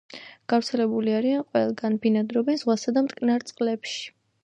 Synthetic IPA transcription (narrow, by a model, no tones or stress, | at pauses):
ɡ̥afɾt̪sʰɛlɛbuliaɾianqʼwɛlˠɡanbinad̪ɾɔbɛnz̥ʁwasad̪amt̪ʼkʼnaɾt̪sʼqʼlɛpʃi̥